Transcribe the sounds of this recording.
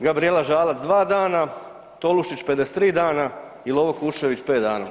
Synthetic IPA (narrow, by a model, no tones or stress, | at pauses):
ɡabɾielaʒaːlat̪zd̪ʋaːd̪aːna | t̪o̞luʃit͡ɕpe̞d̪ese̥t̪ːɾiːd̪aːna | ilo̞ʋokuɾʃeʋit͡ɕpeːt̪d̪a̰ːna